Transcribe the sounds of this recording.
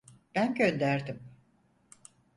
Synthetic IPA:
b̥ænɟønd̪æɾd̪im

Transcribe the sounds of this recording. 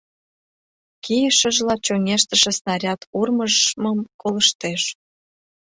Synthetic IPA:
kijəʃəʒlɑt͡ɕoŋʲeʃt̪əʃĕsnɑɾʲɑt̪urməʒməmkoləʃt̪eʃ

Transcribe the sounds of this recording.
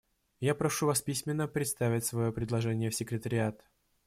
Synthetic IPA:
japɾɐʂuvaɐspʲisʲmʲɪnːəpɾʲɪt̪st̪avʲɪtʲsvɐjopɾʲɪd̪lˠɐʐɛnʲɪjəfsʲɪkɾʲɪt̪əɾʲɪat̪

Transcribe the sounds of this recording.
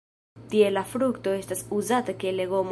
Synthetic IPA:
tie̞lafɾukto̞e̞stasuzatakele̞ɡom

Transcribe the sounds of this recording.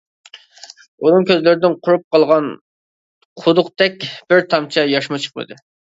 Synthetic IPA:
uɾɨŋkʲøzlɪɾɪd̪ɪnqʰʊɾup̚qʰɑlˠʁɑn | qʰʊd̪ʊqt̪ɛkʲb̥ɪɾt̪ʰɑmt͡ʃʰɑjɑʃmɨt͡ʃʰə̥qmɨ̰d̪ɨ

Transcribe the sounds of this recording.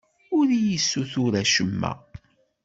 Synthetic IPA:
ʊɾijəsːuθʊɾæʃəmːæ̰

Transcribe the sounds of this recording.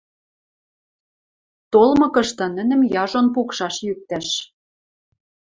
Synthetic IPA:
t̪olmɤ̆kɤ̆ʃt̪ɤ̆nɘ̆nɘ̆mjɑʒonpukʃɑʃjyk̚t̪æʃ

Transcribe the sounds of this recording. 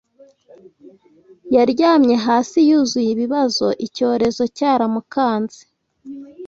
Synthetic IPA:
jaɾɟaːmɲe̞ɦaːsijuzujiβiβazo̞ʔico̞ːɾe̞zo̞caːɾamukaːnze̥

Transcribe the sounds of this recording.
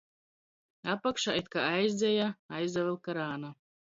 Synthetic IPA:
apakʃaːit̪̚kaajzd̪zʲejaajzd̪avɛlˠkaɾaːna

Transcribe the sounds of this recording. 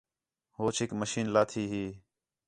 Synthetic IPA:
ɦoːt͡ʃʰɪkməʃiːnlaːt̪ʰiːɦiː

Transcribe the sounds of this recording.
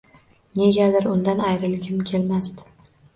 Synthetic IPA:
ne̞ɡʲad̪ɪɾʊnd̪anajɾɪlɡʲɪmkʲʰe̞lmast̪ɪ

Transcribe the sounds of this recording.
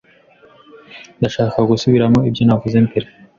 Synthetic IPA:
nd̪aʃaːkaɡusuβiɾamoibjonavuzent̪eɾe

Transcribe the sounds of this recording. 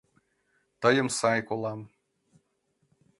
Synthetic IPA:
t̪ɤ̆jə̆msɑjkolˠɑm

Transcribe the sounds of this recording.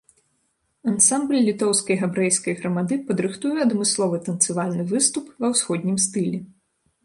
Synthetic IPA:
ɐnsamblʲlʲit̪ɔwskɐjɣabɾɛjskɐjɣɾɐmad̪ɨpɐd̪ɾɨxt̪ujɛɐd̪mɨslˠɔvɨt̪ɐnt̪sɨvalʲnɨvɨst̪upvɐwsxɔd̪ʲnʲimst̪ɨlʲɛ

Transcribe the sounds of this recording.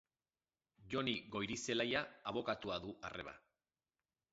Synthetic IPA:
ʝo̞niɣo̞jɾise̞lajaːβ̞o̞kat̪uaðuʔa̰rʔe̞̰βa̰

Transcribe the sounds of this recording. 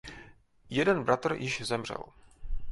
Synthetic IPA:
jɛdɛnbɾat̪r̩jʔɪʒzɛmr̝ɛ̰l

